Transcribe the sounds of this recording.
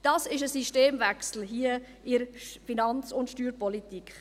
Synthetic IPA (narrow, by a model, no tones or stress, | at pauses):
d̥ɑsɪʃəsiʃteːmvæksl̩ɦiə | ɪɾfinɑnt͡sʊntʃtyːɾpɔlitikχ